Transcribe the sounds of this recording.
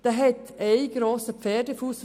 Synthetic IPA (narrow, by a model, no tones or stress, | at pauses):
d̪̥ɛɦɛt | eɪɡɾoːsəp͡fɛːdəfuːs